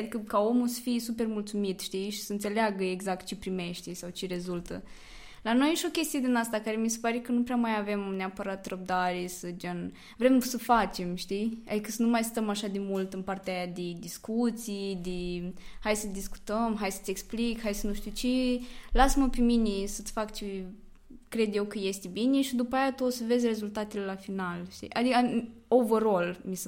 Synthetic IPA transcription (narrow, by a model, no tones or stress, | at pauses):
ad̪ikəkao̞musə̥fijesupe̞rmult̪sumit̪ʃt̪iʃi̥səɨnse̞leaɡəeɡzak̚t̪̚t͡ʃepɾime̞ʃt̪esawt͡ʃeɾe̞zult̪ə̰ | lano̞jʃio̞kʲe̞st̪ije̞d̪inast̪akaɾemisepaɾekənupɾeamajave̞mneapəɾat̪rəb̚d̪aɾesəd͡ʒan | vɾe̞msəfat͡ʃe̞mʃt̪ija̰d̪ikəsənumajst̪əmaʃad̪e̞mult̪ɨnpart̪eajad̪ed̪iskut̪sid̪ehajsəd̪isku̥t̪əmɦajsə̥t̪ʲeksplikhajsənuʃt̪ʲut͡ʃelasməpeminesət̪ʲfakt͡ʃe | kɾe̞d̪je̞wkəje̞st̪ebineʃid̪upajat̪uosəve̞zʲre̞zult̪at̪elelafinalʃt̪ḭʔad̪ika | o̞vəɾo̞lmise